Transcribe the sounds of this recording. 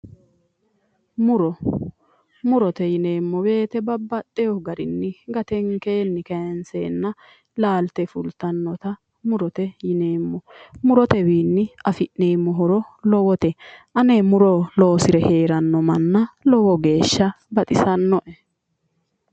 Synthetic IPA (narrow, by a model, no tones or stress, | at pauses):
mʊɾɔ | mʊɾɔt̪ɛjɪneːmːɔbe̞ːt̪ɛbɐbːɐt̪ʼːɛjɔɡɐɾɪnːɪɡɐt̪ɛŋkeːnːɪkɐjnseːnːɐ | laːlt̪ɛfʊlt̪ɐnːɔt̪ɐ | mʊɾɔt̪ɛjɪneːmːɔmʊɾɔt̪ɛbiːnːɪʔɐfɪʔneːmːɔɦɔɾɔlɔwɔt̪ɛʔɐnemʊɾɔlo̞ːsɪɾɛhe̞ːɾɐnːɔmɐnːɐlɔwɔɡe̞ːʃːɐ | bɐt̪ʼɪsɐnːɔʔɛ